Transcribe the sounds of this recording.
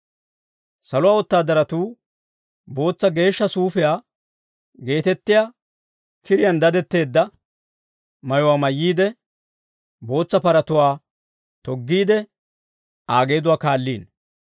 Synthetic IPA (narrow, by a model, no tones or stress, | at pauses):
sɐlʊwaːwɔt̪ːaːd̪ɐɾɐt̪uː | bo̞ːt͡sːɐɡe̞ːʃːɐsuːfɪjaː | ɡe̞ːt̪ɛt̪ːɪjaː | kʰɪɾɪjɐnd̪ɐd̪ɛt̪ːe̞ːd̪ːɐ | mɐjɔwaːmɐjːiːd̪ɛ | bo̞ːt͡sːɐpɐɾɐt̪ʊwaː | t̪ɔɡːiːd̪ɛ | aːɡe̞ːd̪ʊwaːkaːlːiːn